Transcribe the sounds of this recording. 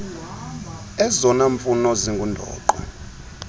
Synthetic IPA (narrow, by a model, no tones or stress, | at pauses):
ɛzɔnaɱfunɔziŋɡʱundʱɔ̰ːǃwa̰